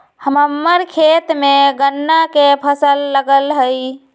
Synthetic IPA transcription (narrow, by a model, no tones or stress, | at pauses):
həməmːəɾkʰet̪meɡənːakepʰəsəlːəɡəlɦəj